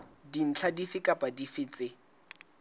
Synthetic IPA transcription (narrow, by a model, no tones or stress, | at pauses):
din̩t͡ɬʰadifɪkʼapʼadifɪːt͡sʼɪ